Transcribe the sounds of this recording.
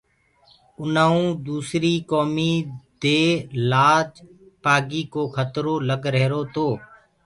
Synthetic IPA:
ʊnaːũːd̪uːsɾiːkoːmiːd̪eːlaːd͡ʒpaːɡiːkoːkʰət̪ɾoːləɡɾɛɦːɾoːt̪oː

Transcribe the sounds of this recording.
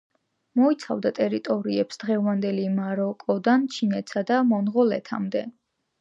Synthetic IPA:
mɔit̪sʰavd̪at̪ʼɛɾit̪ʼɔɾiɛpsd̪̥ʁɛvand̪ɛlimaɾɔkʼɔd̪ant͡ʃʰinɛt̪sad̪amɔnʁɔlɛ̰t̪ʰamd̪ɛ

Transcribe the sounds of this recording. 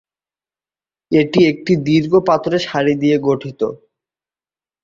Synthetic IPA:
eʈiek̚ʈid̪iɾɡopat̪oɾeʃaɾid̪ijeɡoʈʰit̪o̰

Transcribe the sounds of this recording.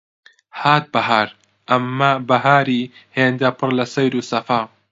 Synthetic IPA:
haːt̪̚bɐɦaːɾ | ʔɐmːɐbɐɦaːɾiːheːnd̪ɐpʰɨrlɐsɐjɾuːsɐfaː

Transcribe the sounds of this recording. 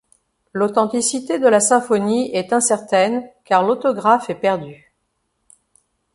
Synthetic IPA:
lot̪ɑ̃t̪isit̪ed̪əlasɛ̃fɔniɛt̪ɛ̃sɛʁt̪ɛnkaʁlot̪ɔɡʁafɛpɛʁd̪y

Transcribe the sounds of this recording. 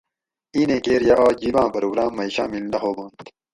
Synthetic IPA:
iːnẽːkeːɾjaʔaːd͡ʑiːbãːpɐɾoːɡɾaːmːɐiɕa̰ːmild̪ɐɦoːboːnt̪

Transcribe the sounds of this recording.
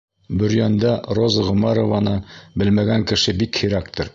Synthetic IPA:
bɵ̆ɾjænd̪ɑɾozɑʁɵ̆mɑɾovɑnɤbɘlmæɡæŋkɘ̆ʃɘbikhiɾækt̪ɤɾ

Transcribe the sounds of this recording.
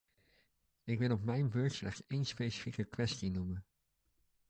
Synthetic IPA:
ɪkʋɪlˠɔpmɛjnbøɹtslɛχsejnspejsə̥fikəkʋɛstinumən

